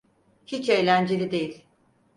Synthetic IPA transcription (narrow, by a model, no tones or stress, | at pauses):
hit͡ʃe̞jlʲænd͡ʒelʲid̪e̞jilʲ